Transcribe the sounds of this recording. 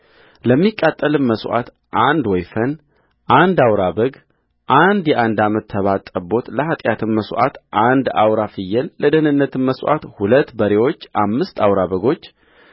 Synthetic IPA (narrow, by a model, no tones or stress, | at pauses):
ləmːikʼːat̪ʼːəlɨmməswʔa̰t̪ | ʔand̪wɔjfən | ʔand̪awɾaβəɡ | ʔand̪jɛʔand̪amət̪ʰːəβat̪ʼːəbo̞t̪ləhat̪ʼjat̪ʰɨmməsʔa̰t̪ʔand̪a̰wɾafɨjːɛlːəd̪ənɨnːət̪ʰɨnməsʔa̰t̪hulət̪ːbəɾewo̞t͡ʃːʔamːɨst̪awɾaβəɡo̞t͡ʃː